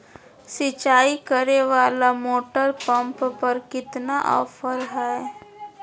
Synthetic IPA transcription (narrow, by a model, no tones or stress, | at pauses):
sɪt͡ʃaːikəɾeʋaːlamoːʈəɾpə̃mppəɾkɪt̪naʔɔ̰ːfəɾɦɛe